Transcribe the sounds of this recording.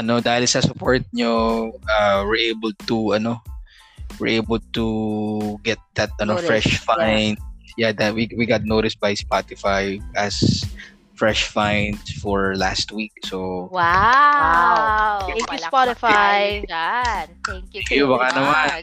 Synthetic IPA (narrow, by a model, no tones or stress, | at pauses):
ʔɐno̞d̪aːhɪlsɐsʊpoɹt̪̚ɲoʔawiʔejbəld̪̚t̪uʔɐno̞ | wɪ̰ɹʔejbəld̪̚t̪u | ɡɛt̪̚d̪ɐt̪̚ɐnofɹɛʃfajnd̪̚jad̪awiwiɡat̪̚nowt̪ɪsbɐjspat̪ɪfajʔɐs | fɹɛʃfãjnd̪sfɔɹla̰st̪̚wik̚sowa | jspatɪfaj | ɛ̃ŋkjubɐkanɐman